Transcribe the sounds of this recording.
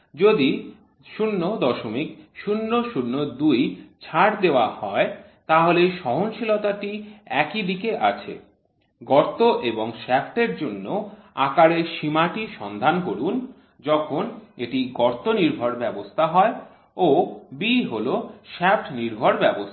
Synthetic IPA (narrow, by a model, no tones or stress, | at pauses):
d͡ʑod̪i | ʃunːod̪ɔʃomikʃunːoʃunːod̪ujt͡ɕʰaʈd̪eoahɔe | t̪aɦoleʃɔɦonʃilot̪aʈiɛkid̪ikeʔat͡ɕʰḛ | ɡɔɾt̪oʔeboŋʃɛfʈeɾd͡ʑonːoakaɾeʃimaʈiʃɔnd̪ʱankoɽun | d͡ʑɔkʰoneʈiɡɔɾt̪oniɾbʱoɾbɛbost̪ʰaɦɔe | obiɦoloʃɛpʈniɾbʱoɾbɛbost̪ʰa